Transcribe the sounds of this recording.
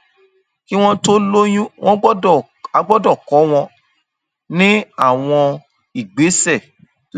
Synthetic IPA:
ki˦w̃ɔ̃˦to˦lo˦j̃ũ˦w̃ʔɔ̃˦ɡ͡bɔ˦˨ | a˧ɡ͡bɔ˦dɔ˦˨kɔ˨˦w̃ɔ̃˧ | nĩ˦a˦˨w̃ɔ̃˧ | i˦˨ɡ͡be˨˦sɛ˦˨

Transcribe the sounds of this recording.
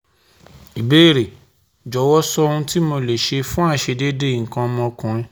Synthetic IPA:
i˨be˦˨ɾe˨ | d͡ʒɔ˨˦wɔ˦sɔ˦˧ũ˧ti˦mo˧le˨ʃe˧fũ˦a˦˨ʃe˧de˦de˦˨ŋ̩˨kã˧mɔ̃˧kũ˧ĩ˧

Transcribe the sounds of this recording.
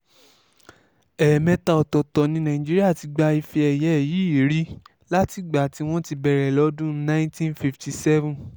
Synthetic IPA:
ɛ˨mɛ̃˧ta˧ɔ˨tɔ˨tɔ˨nĩ˧˦nã˨ĩ˨d͡ʒi˦ɾi˦a˦˨ti˧ɡ͡ba˧i˧fi˧ɛ˨jɛ˨˦ɛ˦˨ji˨˦i˨˦ɾi˦ | la˦ti˨ɡ͡ba˨ti˨˧w̃ɔ̃˦ti˧bɛ˧ɾɛ˨lɔ˨˦dũ˦nã˦ĩ˦tĩ˦nfi˧fti˧sɛ˦vũ˨

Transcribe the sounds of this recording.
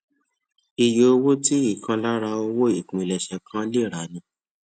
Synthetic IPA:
i˨jo˨o˧wo˦ti˦i˦˨kʰã˧la˦ɾa˧o˧wo˦i˦˨kũ˨i˨lɛ˨ʃɛ˨kʰã˦le˦˨ɾa˨˦nĩ˧˦

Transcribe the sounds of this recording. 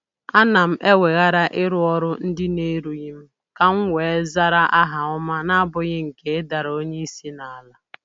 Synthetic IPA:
a˦na˨m̩˦ʔe˦we˨ɣa˦ɾa˦ʔɪ˦ɾʊ˦ɔ˦ɾʊ˦n̩˦dɪ˦ne˦ɾu˨ɣɪ˦m̩˦ | ka˦ŋ̩˦ŋʷeː˨˦za˦ɾa˦ʔa˦ɦa˨ʊ˦ma˦na˦a˦bʊ˨ɣɪ˦ŋ̩˨ke˨ɪ˦da˨ɾo˦ɲe˦i˦si˦na˨a˨la˦

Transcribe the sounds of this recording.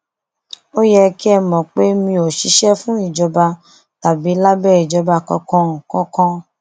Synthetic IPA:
o˦jɛ˧ki˦ɛ˧mɔ̃˨k͡pe˦mĩ˧o˨ʃi˨˦ʃɛ˦fũ˦i˦˨d͡ʒɔ˨˧ba˧ | ta˨bi˨˦la˦bɛ˦˨i˨d͡ʒɔ˨˧ba˧kɔ̰̃˧kɔ̃˦˧˨kɔ̃˦kɔ̃˧

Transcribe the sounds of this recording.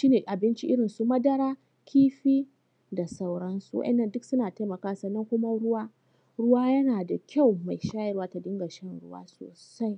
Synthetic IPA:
ʃiː˦neː˨ʔa˨bɪ˦nt͡ʃi˦ʔɪ˦ɽɪ˨nsu˨mɐ˦dɐ˦ɽaː˦ | kʲiː˦ɸiː˦ | da˨sa˦˨wɽɐ˦nsu˨wɐ̰˦ʔɛ̰˨nːɐ˦˨ndʊ˦ksʊ˦naː˨ta˦jmɐ˨kaː˦sɐ˨nːɐ˦ŋkʷʊ˦ma˦ɽʊ˦waː˦ | ɽʊ˦waː˦jɐ˦naː˨da˨kʲa˦˨wma˨jʃaː˦jɪ˦ɾwaː˦ta˨dɪ˦ŋɡa˨ʃɐ˦nɽʊ̰˦wa̰ː˦so̰ː˨sa˦j

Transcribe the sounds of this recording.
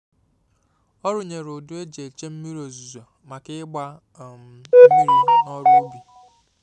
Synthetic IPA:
ɔ˦ɾʊ˨ɲe˨ɾʊ˨dʊ˦e˦d͡ʒe˨e˨t͡ʃe˦m̩˦mi˦ɾo˨zu˨za˨ | ma˨kɪ˦ɡ͡ba˦˨ | m˨e˦mi˦ɾi˦nɔ˦ɾu˦bi˨

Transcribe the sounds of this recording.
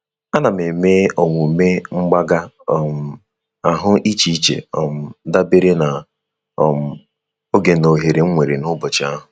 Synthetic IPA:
a˦na˨me˨me˦o˨ŋʷu˨me˦ŋ͡m̩˦ɡ͡ba˦ɡa˦ | m̩˨ | a˨ɦʊ˦i˦t͡ʃi˦t͡ʃḛ˨ɔ˨m̩˨da˦be˦ɾe˦na˨ | ɔ˨m̩˨ | o˦ɡe˨no˨ɦe˨ɾe˨ŋ͡m̩˦ŋʷe˨ɾe˨nʊ˦bʊ˨t͡ʃɪ˨˦a˦ɦʊ˨

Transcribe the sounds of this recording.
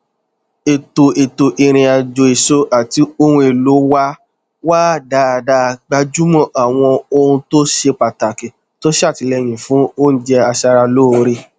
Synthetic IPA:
e˨to˨e˨to˨ʔi˧ɾ̃ĩ˧a˨d͡ʒo˧e˨so˧ʔa˨ti˧˦o˧hũ˧e˨lo˨˦wa˦ | wa˦˨da˦˨da˦˧ɡ͡ba˧d͡ʒu˦mɔ̃˦˨ʔa˨w̃ɔ̃˧o˧hũ˧to˦ʃe˧k͡pa˨ta˨kɛ˨ | to˦ʃe˦a˦˨ti˨˧lɛ˧j̃ĩ˨fũ˨˦o˦n̩˦d͡ʒɛ˧a˧ʃa˧ɾa˧loː˦˧ɾi˧

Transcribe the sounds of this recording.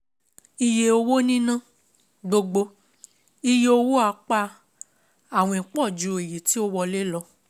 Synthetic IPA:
i˧je˧o˧wo˦nĩ˦nã˦˨ | ɡ͡bo˧ɡ͡bo˧ | i˧je˧o˧wo˦a˧k͡pa˧ | a˦˨w̃ɔ̃˧ĩ˨˦k͡pɔ˦˨d͡ʒu˧˦˨e˨ji˨ti˨˦o˦wɔ˧le˦lɔ˧˦

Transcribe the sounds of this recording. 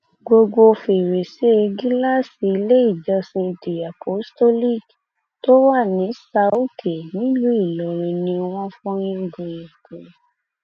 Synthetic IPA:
ɡo˧ɡo˧fe˨ɾe˨se˦e˧ɡi˦la˦˨si˨i˧le˦i˦˨d͡ʒɔ˧sĩ˧de˨a˨pʰo˨˦sto˦li˦˨k | to˦wa˦˨nĩ˨˦sa˧˦u˦kʰe˨nĩ˦lũ˦i˦˨lɔ˨ɾ̃ĩ˧nĩ˧w̃ɔ̃˦fɔ̃˦ɾ̃ĩ˦ɡũ˧˨jẽ˨kũ˨

